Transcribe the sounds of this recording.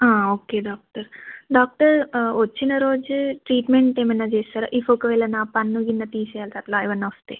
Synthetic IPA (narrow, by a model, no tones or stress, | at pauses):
aːoːkeːɖaːk̚ʈɐɾɖaːk̚ʈɐɾʋɐt͡ʃːinɐɾoːd͡ʒuʈɾiːʈmeɳʈeːmɐnːad͡ʒeːst̪aːɾa̰ːʔifokɐʋɛːlɐnaːpɐnːuɡinːɐt̪iːt͡ʃɛjaːlt̪aːɾlaːiʋɐnːaʋɐst̪eː